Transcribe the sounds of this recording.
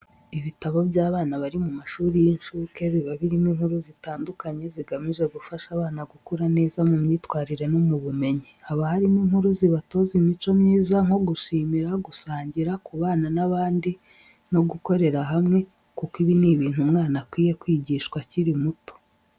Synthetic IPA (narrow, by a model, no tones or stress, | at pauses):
iβitaβo̞bɟaːβaːnaβaɾimumaʃuːɾijinʃuke̞βiβaβiɾimiŋ̥huɾuzitaːndukaɲe̞ziɡamiʒe̞ɡufaʃaβaːnaɡukuɾane̞ːzamumɲiːtwaːɾiɾe̞no̞muβume̞ɲihaβahaɾimiŋ̥huɾuziβato̞zimit͡ʃo̞mɲiːzaŋ̥o̞ɡuʃiːmiɾaɡusaːɲɟiɾakuβaːnanaβaːndi | no̞ɡuko̞ɾe̞ɾaɦamŋe̞ | kukiβiniβiːn̥humŋaːnakwiːje̞kwiːɟiʃkwaciɾimuto̥